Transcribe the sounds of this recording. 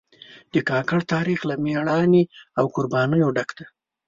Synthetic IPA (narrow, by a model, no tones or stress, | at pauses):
d̪̥əkɑkaɽt̪ɑɾixlameɽɑniawkʊɾbɑnəjoɖakd̪̥a